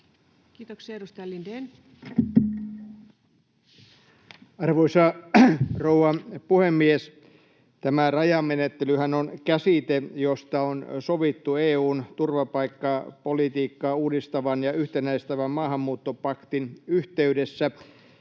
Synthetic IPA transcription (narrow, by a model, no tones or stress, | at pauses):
kiːt̪oksieedust̪ɑjɑlinden | ɑrʋoisɑ | rouʋɑpuhemːies | t̪æmærɑjɑmenet̪ːelyhænonkæsit̪ejost̪ɑonsoʋit̪ːueːuːnt̪urʋɑpɑikːɑpolit̪iːkːɑːuːdist̪ɑʋɑnjɑyht̪enæist̪æʋæmmɑːɦhɑmːuːt̪ːopɑkt̪inyht̪eydesːæ